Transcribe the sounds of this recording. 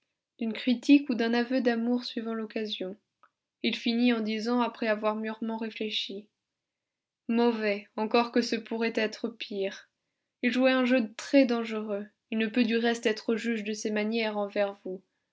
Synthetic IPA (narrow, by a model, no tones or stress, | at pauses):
d̪̥ynkχit̪ikud̪ɛ̃navød̪amuʁsɥivɑ̃lɔkazjɔ̃ | ilfiniɑ̃d̪izɑ̃apχɛavwaʁmyʁmɑ̃ʁefleʃi | mɔvɛɑ̃kɔʁkəsəpuʁɛt̪ɛt̪χəpʰiʁ | ilʒuɛɛ̃ʒøt̪χɛd̪ɑ̃ʒəʁø | ilnəpød̪yʁɛst̪ɛt̪χəʒyʒd̪əsemanjɛʁɑ̃vɛʁvu